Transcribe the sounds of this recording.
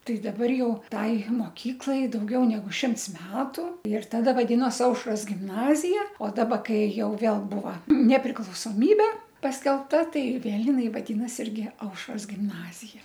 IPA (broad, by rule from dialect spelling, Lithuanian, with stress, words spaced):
ˈtɐɪ dɐˈbɐr ˈjɛʊ ˈtɐɪ moːˈkʲiːklˠɐɪ dɐʊˈɡʲɛʊ nʲɛˈɡʊ ˈʃʲɪmts ˈmʲæːtʊ ɪr tɐˈdɐ ʋɐˈdʲɪnoːs ˈɐʊʃroːs ɡʲɪmˈnɑːzʲɪjɛ oː ˈdɑːbɐ ˈkɐɪ ˈjɛʊ ˈʋʲeːlˠ ˈbuːʋɐ nʲɛpʲrʲɪklˠɐʊsoːˈmʲiːbʲɛ pɐsʲkʲɛlˠpˈtɐ ˈtɐɪ ˈʋʲeːlˠ jɪˈnɐɪ ʋɐˈdʲiːnɐs ˈɪrʲɡʲɪ ˈɐʊʃroːs ɡʲɪmˈnɑːzʲɪjɛ